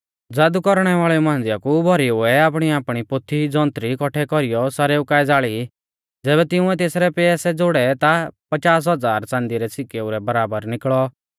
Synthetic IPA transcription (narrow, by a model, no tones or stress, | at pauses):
d͡zaːd̪ukɔɾɽ̃ɛʋaːɭɛmãːnd͡zɪjakubʱɔɾiʊɛaːpɽ̃iaːpɽ̃ipot̪ʰːid͡zɔ̃ːnt̪ɾikɔʈʰɛkɔɾijɔsaːɾɛʊkaːɛd͡zaːɭi | d͡zɛːβɛt̪ɪ̃ʊ̃ɛ̃t̪eːsɾɛpɛɛsɛd͡zoɽɛt̪apɐt͡ʃaːs̬ɦɐd͡zaːɾt͡sãːnd̪iɾɛsɪkeuɾɛbɐɾaːbəɾnɪkɭɔ